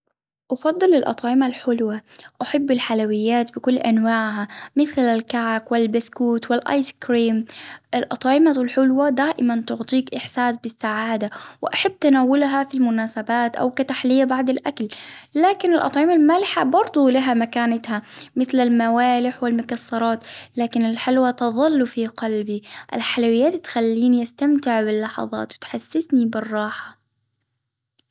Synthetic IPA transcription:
ʔɑfɑd̪ˤːɨlɪlʔɑ̰t̪ˤʕɪmalħʊlwaʔaħabːɪlħalawɪjːaːt̪bɪkʊlːʔanwaːʕɦamɪθlalkaʕakwɪlbaskuːt̪wɪlʔɑ̰ːjskɾiːmʔɪlʔɑt̪ˤːʕɪmaɪlħʊlwad̪aːʔɪmant̪ʊʕt̪ˤiːkʔɪħsaːsbɪsːaʕaːd̪awɪʔaħabːt̪anaːwʊlɦafilmʊnaːsabaːt̪ʔa̰wkat̪aħlɪjːabaʕd̪ɪlʔakllaːkɪnɪlʔɑ̰t̪ˤʕɪmalmaːlɪħabɑɾˤd̪ˤulaɦamakaːnɪt̪hamɪθlalmawaːlɪħwɪlmʊkɑsːɑɾˤɑːt̪laːkɪnɪlħalwat̪ɑðˤɨlːfiqɑlbiʔɪ̰lħalwɪjːaːt̪t̪xalːiːniʔast̪amt̪ɪʕbɪlːɑħɑ̰ðˤɑ̰ːt̪wɪt̪ħasːɪsnibɪrˤːɑːħḁ

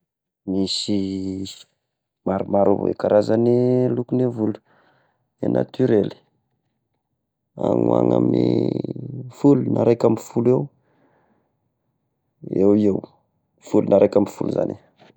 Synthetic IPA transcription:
misi | maɾumaɾov̰ḛkaɾazanilukunevulu̥ | nena̰t̪yɾeli̥ | aŋua̰ŋami | fulunaɾekamifulew | ewiew | fulunaɾekamifuluza̰ni

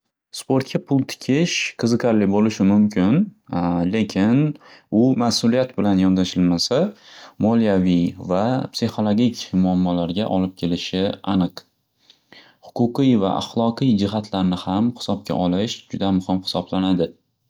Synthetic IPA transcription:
spo̞ɾt̪̚kʲʰapʰʊlˠt̪ʰɪ̥kʲʰɪʃqʰɨzɨqʰaɾlɪbolɪʃɪmʊmkʲʰɪnle̞kʲʰɪnʊmasʊlijat̪bɪlanjɒnd̪aʃɪlmasamɒlijavijvapsixo̞lˠoɡʲikʲʰmʊamːɒlaɾɡʲaʔɒlɪp̚kʲʰe̞lɪʃɪanɨq | hʊ̥qʰʊqɨjva̰ʔa̰χlˠɒqɨjd͡ʒɪɦat̪ʰlaɾnɪhamhɪ̥sɒp̚kʲʰa̰ʔɒlɪʃd͡ʒʊd̪amʊhɪmhɪ̥sɒblanad̪ɪ

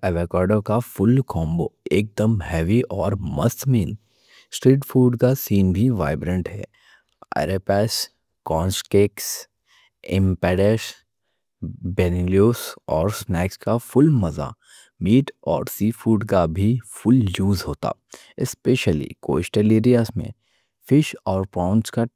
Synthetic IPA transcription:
ɛʋekaːɾɖokafʊlkʰɔ̃ːmboːeːk̚d̪əmhɛːʋiʔɔːɾmɐ̰st̪miːn | sʈɾiːʈfuːɖkasiːnbʱiʋa̰ːɪbɾə̃ɳʈɦɛ̰ː | ɛ̰ːɾepɛːs | kɔ̃ːnskeːks | ɪ̰̃mpɛːɖes | beːniljoːsɔːɾsnɛːkskafʊlmɐza̰ | miːʈɔ̰ːɾsiːfuːɖkabʱifʊljuːzɦoːt̪a̰ː | ɪspeːʃəlḭko̰ːsʈəleːɾijaːzmḛ̃ | fɪʃɔːɾpɾãːʊ̃nska

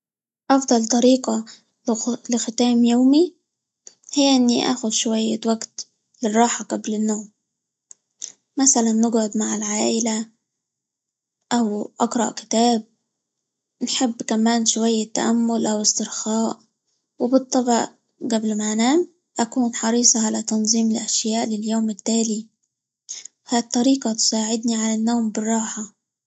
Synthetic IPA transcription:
ʔɑfd̪ˤɑlt̪ˤɑɾiːqa | lɪxɪt̪aːmjoːmi | hɪjːʔɪnːiʔa̰ːxʊd̪ʃʊwajːawaɡt̪ | lɪrˤɑːħaɡablɪnːoːm | masalanːɪɡʕʊd̪maʕɪlʕaːʔɪla | ʔawʔɑɡɾˤɑ̰ʔkɪ̥t̪aːb̚ | nħɪbːkamaːnʃʊwajːat̪ːa̰ʔamːʊlʔawɪst̪ɪɾxaːʔ | wɪbɨt̪ˤːɑbɑʔ | ɡablmaʕnaːm | ʔakuːnħɑɾˤiːsˤɑʕalat̪ɑnzˤiːmɪlʔaʃjaːʔlɪljoːmɪt̪ːaːli | haːt̪ˤːɑɾiːqɑt̪saːʕɪd̪niʕalanːoːmbɪrˤːɑːħa

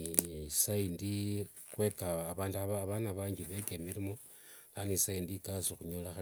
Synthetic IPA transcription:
saindi | xwe̞kaːβaːnduaβaβanaβaːɲɡiβekemiɾimo | lanisaindikasoxuɲolaxa

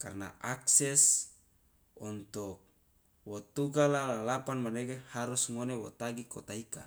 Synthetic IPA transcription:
ka̰rna̰aksɛs | ɔnt̪ɔk̚ | wɔt̪uɡalalalapanmanekehaɾusŋonewɔt̪aɡikot̪aika̰

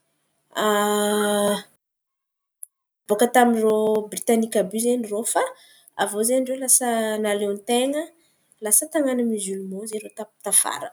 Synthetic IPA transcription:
a | b̥okət̪amirobrit̪anikabyzenirofa | avozeɖ͡ʐelasənalent̪eŋə | lasət̪aŋanamizulumozeɾot̪at̪afa̰ɾə

